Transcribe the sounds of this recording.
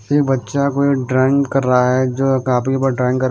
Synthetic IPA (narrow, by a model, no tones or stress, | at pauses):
sibɐtːʃakoiɖɾɛːɪŋɡkɐɾːaɦaɦɛd͡ʒoːkaːpkipɐɖɾaːɪ̃ŋɡkɐɾ